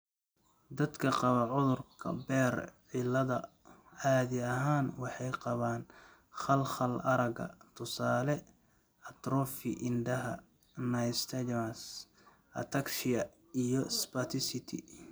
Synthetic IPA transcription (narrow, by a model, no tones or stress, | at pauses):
d̪ɐd̪kʰɐqɑβɐʕʊðʊrkʰɐ̰bɛːrʕɪlɐðɐ | aːðɪɐɦaːnwɑħɑjqɑβaːn | χɐlχɐlɐɾɐɡɐ̰t̪ʰʊsaːlɛ | ɐt̪ɾɔːfɪʔɪnd̪ɐɦɐ̰ | nɐjst̪ʰɐd͡ʒms | ɐ̰t̪ʰɐkʃɪɐ | ijɔspɐt̪ʰɪsɪt̪ʰɪ̰